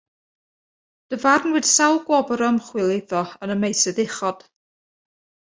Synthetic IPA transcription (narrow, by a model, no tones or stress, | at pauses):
d̥əvarnwɪd̥sawˠɡwɔbɔɾəmχwɪlˠɪðɔənəmejsɨðɪχɔd̥